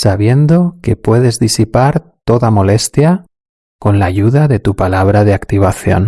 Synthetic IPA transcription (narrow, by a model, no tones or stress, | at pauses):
saβje̞nd̪o̞ke̞pwe̞ðe̞zðisipaɾt̪o̞ðamo̞le̞st̪ja | ko̞nlaʝuðaðe̞t̪upalaβ̞ɾaðeakt̪iβ̞aθjo̞̰n